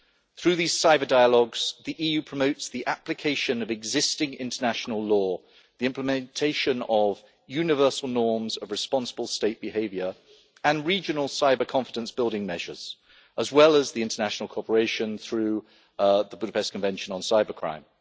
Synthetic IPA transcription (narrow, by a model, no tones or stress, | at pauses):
θɹʉːðiːz̥saɪbədaɪəlɔɡz̥ðiʔiːjʉpʰɹ̥əməʊtsðiʔaplɪkʰeɪʃə̃nəvɛɡzɪstɪ̃ŋɪ̰̃ntənaʃnəlˠlɔː | ðiɪ̃mpləmɛ̃ntʰeɪʃə̃nəv | jʉnɪvɜˑ˞səlˠnɔːmzəvɹɨspɑ̃nsəbəlˠsteɪʔ̚b̥ɪheɪvjə˞ | ə̃nɹiːd͡ʒənəl̩ˠsaɪbəkʰɒ̃ɱfɪdə̃nsb̥ɪlˠdɪ̃ŋmɛʒə̰z̥ | ʔəzwɛləzðiɪ̃ntənæʃnəl̩ˠkʰɔɹpəɹeɪʃə̃nθɹʉ | ðəbʊɾəpʰɛstkʰə̃ɱvɛ̃nʃə̃nə̃nsaɪbəkʰɹ̥ã̰ɪ̃m